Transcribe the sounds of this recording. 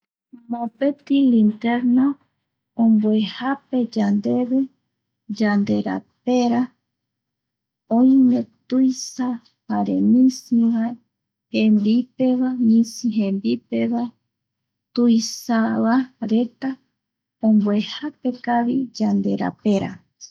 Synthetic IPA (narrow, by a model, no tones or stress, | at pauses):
mõpe̞t̪ilint̪eɾno | õmbwehape̞d͡ʒand̪e̞βe | d͡ʒand̪e̞ɾa̰pe̞ɾa | õj̃mẽ̞t̪ujsa | haɾḛmĩsĩβa | hẽmbipe̞βamĩsiɦẽmbipeβa | t̪ujsaβaɾe̞t̪a | õmbwehape̞kaβid͡ʒand̪e̞ɾa̰pe̞ɾa̰